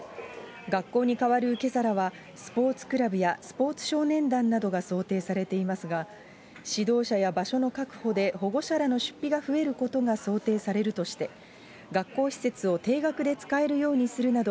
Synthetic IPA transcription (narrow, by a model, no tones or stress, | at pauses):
ɡakːo̞ːɲ̟ikaβaɾɯ̟ke̞zaɾaβa | sɨ̥po̞ːt͡sɨ̥kɯ̟ɾabɯ̟jasɨ̥po̞ːt͡sɨ̥ɕo̞ːnẽ̞nd̪ãnːad̪o̞ɡaso̞ːt̪e̞ːsaɾe̞t̪e̞imasɨɡa | ɕid̪o̞ːɕajabaɕo̞no̞kakɯ̟̥ho̞d̪e̞ho̞ɡo̞ɕaɾano̞ɕɨ̥pʲːiɡaɸɯ̟e̞ɾɯ̟ko̞t̪o̞ɡaso̞ːt̪e̞ːsaɾe̞ɾɯ̟t̪o̞ɕi̥t̪e̞ | ɡakːo̞ːçʲi̥se̞t͡sɨo̞t̪e̞ːɡakɯ̟d̪e̞t͡sɨ̥kae̞ɾɯ̟jo̞ːɲ̟isɨɾɯ̟nad̪o